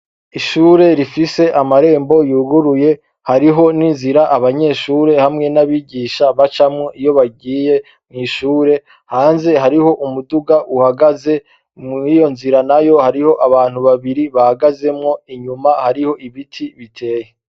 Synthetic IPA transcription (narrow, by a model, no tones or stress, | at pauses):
iʃuːɾe̞ɾifise̞ʔamaɾe̞ːmbo̞juːɡuɾuje̞ | haɾiɦo̞ninziɾaʔaβaɲe̞ːʃuːɾe̞hamŋe̞naβiɟiːʃaβat͡ʃamŋeʔijo̞βaɡiːje̞ | mŋiːʃuːɾe̞ | haːnze̞ɦaɾiho̞ʔumuduɡaʔuhaɡaze̞ | mijo̞nziɾanajo̞haɾiho̞ʔaβaːn̥huβaβiɾiβahaɡaze̞mŋo̞iɲumahaɾiho̞ʔiβitʰiβitʰe̞ːje